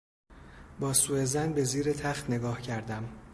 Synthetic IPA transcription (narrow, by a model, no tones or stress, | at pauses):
bɒːsuːezænbe̞ziːɾet̪ʰæχt̪ne̞ɡɒːhcʰæɾd̪æm